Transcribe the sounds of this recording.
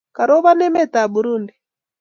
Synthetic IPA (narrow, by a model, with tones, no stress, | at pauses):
ka˨ɾɔ˦βa˦nɛ˦mɛ˦˨ta˨ɓu˨ɾu˦ndi˨